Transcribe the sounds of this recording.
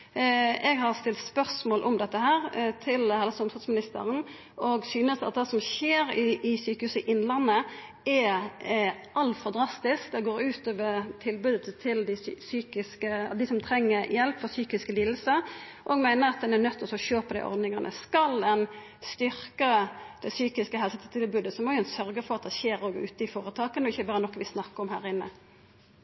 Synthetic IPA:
ʔɛɡhɑʁst̪ɪlt̪spœʁsmoːlʔɔmd̪ɛt̪ːəhæːɾt̪ʰɪlhæɪləsɔmfʰɑt̪smɪnɪst̪ə̰ʁən | ɔɡsyːnəsɑ̰t̪̚d̪ɛːsɔmçeːɾɪɪsyːkəhʉːsəɪʔɪnːlɑnːə | ɛ | ʔɑlfɔʁd̪ɾɑst̪ɪskd̪ɛɡoːɾʉːt̪oːʋəɾt̪ʰɪlbʉːd̪ət̪ʰɪld̪ɪsyːkɪskəd̪ɪsɔmt̪ʰɾɛŋːəɾjɛlpfɔsyːkɪskəliːd̪l̩sə | ʔɔɡmæɪnəʁɑt̪̚d̪ɛnɛʁnœt̪ʰːɔsɔɕøːpəd̪æɪʔɔ̰ɾd̪nɪŋɑnʔə̰skɑld̪ɛn | st̪ʏʁkəd̪̥ɛsyːkɪskəhɛlsət̪ʰt̪ʰɪlbʉːd̪əsɔmɔjʊɛnsœɾɡəfɔʁɑt̪̚d̪ɛçeːɾoɡʉ̰ːt̪əɪfoːɾət̪ʰɑːkənɔɪçːəbɑːɾənɔkːʋɪsnɑkːəɔmhæːʁɪnːə̰

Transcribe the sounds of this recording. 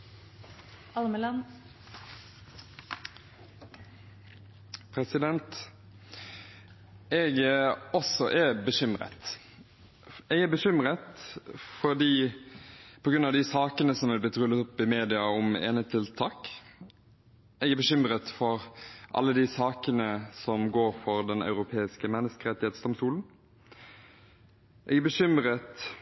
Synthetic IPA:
ɑlməlɑn | pʰɾɛsɪd̪ɛnt̪ | ɛɡɔsɔʔɛbəʃʏmɾə̰t̪ | ɛɡæbəʃʏmʁət̪fɔd̪iː | pʰɔɡɾʉnɑʋd̪ɪsɑːkənəsɔmʋɪlb̪ɪt̪ɾʉlːət̪ɔpːɪmeːd̪ɪɑɔmḛːnət̪ʰːɪlt̪ʰɑːk | ʔɛɡæɾbəʃʏmɾət̪fɔɾʔɑ̰lːəd̪ɪsɑːkənəsɔmɡoːɾfɔɾd̪ɛnɑ̰ʉɾʊpʰeːɪskəmɛnːəskəɾɛt̪ːɪheːt̪sd̪ɔmst̪uːln̩ | ʔɛɡæbəʃʏmɾət̪

